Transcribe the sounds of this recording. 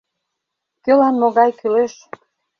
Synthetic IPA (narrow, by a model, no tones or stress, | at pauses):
kølɑnmoɣɑjkyleʃ